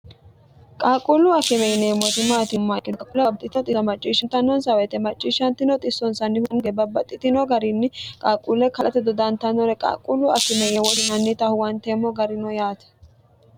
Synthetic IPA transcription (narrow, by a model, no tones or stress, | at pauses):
kʼaːkʼːulʊɐkːɪmɛnemːɔt̪ɪmːat̪ɪmːakʼɪɐkʼulɛb̚t̪ʼɪt̪ɪɔt̪ʼɪmɐt͡ʃʼːiːʃɪnt̪ɐnːɔnsɐwɛt̪ɛmɐt͡ʃʼːiːʃɐnt̪ɪnɔt̪ʼɪsːɔnsɐnːɪhʊŋɡɛbɐbːɐt̪ʼːɪt̪ɪnɔɡɐɾinːɪkʼaːkʼːulɛkɐlʔɐt̪ɛd̪ɔd̪ɐnt̪ɐnɔɾɛkʼa̰ːkʼulːʊɐ̰kːɪmɛjɛwɔsɪnɐnːɪt̪ɐhʊwɐnt̪eːmːɔɡɐɾɪnɔjaːt̪ɛ̥